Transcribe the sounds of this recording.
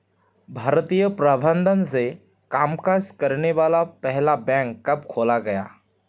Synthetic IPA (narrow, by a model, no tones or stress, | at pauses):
bʱaːɾt̪ijəpɾabʱə̃nd̪ʱənse | kaːmkaːskəɾneʋaːlapɛɦlabɛ̃ŋkːɐbkʰoːlaɡɐja̰ː